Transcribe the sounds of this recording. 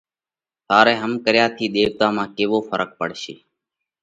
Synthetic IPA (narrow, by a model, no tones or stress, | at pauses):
saːɾɛːɦəmkəɾjaːt̪ʰiːɗ̪eːʋt̪ãːmãːkeːʋoːfəɾək̚pə̰ɽʃḛː